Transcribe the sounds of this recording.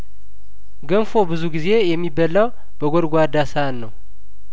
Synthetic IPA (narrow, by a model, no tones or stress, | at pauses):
ɡənfo̞bɨzuɡize̞jɛmːibːəlːaw | b̥əɡʷoɾɡʷad̪asaanːəw